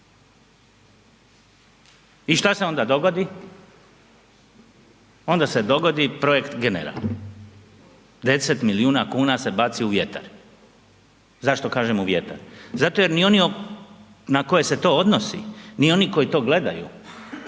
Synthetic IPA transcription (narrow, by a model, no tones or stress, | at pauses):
iʃt̪aseo̞nd̪ad̪o̞ɡo̞d̪i | o̞nd̪ased̪o̞ɡo̞d̪ipɾo̞je̞kt̪ɡenḛɾa̰l | d̪e̞set̪miliuːnakuːnase̞bat̪siuʋje̞t̪a̰ɾ | zaʃt̪o̞kaːʒe̞muʋje̞t̪a̰ɾzat̪o̞je̞ɾnio̞nio | nako̞je̞se̞t̪o̞ːo̞d̪nosḭnio̞niko̞jit̪o̞ːɡle̞d̪a̰jṵ